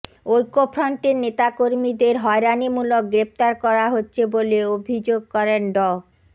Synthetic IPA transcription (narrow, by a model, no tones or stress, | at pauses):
ojkopʰɾanʈeɾnet̪akoɾmid̪eɾɦɔeɾanimulok̚ɡɾep̚t̪aɾkɔɾaɦotːɕʰeboleobʱid͡ʑoɡ̚kɔɾenɖɔ